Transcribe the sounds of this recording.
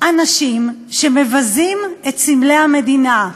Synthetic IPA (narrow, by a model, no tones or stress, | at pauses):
ʔanaʃimʃeme̞vazimet̪simlejhame̞dina